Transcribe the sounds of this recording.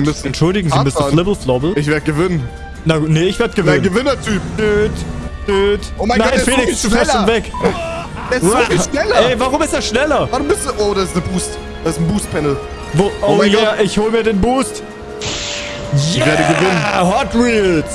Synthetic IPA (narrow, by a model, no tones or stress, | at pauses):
mʏs̩ɛntʃʊldɪɡŋ̩zimʏsn̩flɪbl̩flɔbl̩ɪçveːɐdəɡəvɪnən | nanəɪçv̥eːɐdəɡəvɪnənɡəvɪnɐtʰyːpnøːtnøːtomanaɪnfeːlɪksd̥ɛɐoːnvɛk | ɛʃnɛlɐɛvaʁʊmɪsteːɐʃnɛlɐvaʁʊmbɪstʔoːdasɪsnəbuːst | d̥sɪsn̩buːst̚pʰɛnl̩ | voʔoːjaːʔɪçhoːləmiːɐdeːnbuːst | ɪçveːɐdəɡəvɪnənhatʁiːls